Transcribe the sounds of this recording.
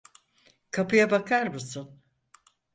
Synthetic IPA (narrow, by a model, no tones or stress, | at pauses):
kʰapɯjabakʰaɾmusun